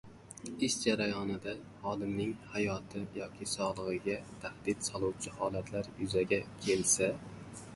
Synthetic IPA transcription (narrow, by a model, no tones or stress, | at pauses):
ɪʃd͡ʒaɾajɒnɪd̪a | hɒd̪ɪmnɪŋhajɒt̪ʰɪjɒkʲʰɪsɒlˠɨʁɨɡʲat̪ʰahd̪̥ɪt̪sɒlˠuwt͡ʃʰɪhɒːlˠat̪ʰlaɾjʊzaɡʲakʲʰe̞lsa